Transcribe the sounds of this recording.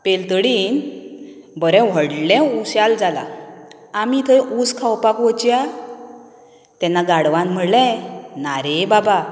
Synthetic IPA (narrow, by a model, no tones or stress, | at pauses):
pelt̪əɽiːn | bəɾɛ̃ʋ̤əɽlɛ̃uɕjald͡zala̰ | amit̪ʰəʔuskʰawpakʋot͡ɕja | t̪ɛ̃nːaɡaɽʋãnm̤əɽlɛ̃naɾebaba